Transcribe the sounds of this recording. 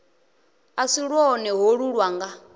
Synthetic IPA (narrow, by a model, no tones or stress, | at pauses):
asiɺwɔːnɛɦoɺuɺwaŋɡa